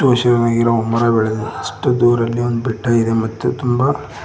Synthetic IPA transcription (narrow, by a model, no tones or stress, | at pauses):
uʋɐʃɐɾɐnaːɡiɾɐɔmːɐɾaːbɛɭed̪uɐʂʈɐd̪uːɾɐlːiond̪ubiʈːaːjid̪emɐt̪ːut̪umbɐ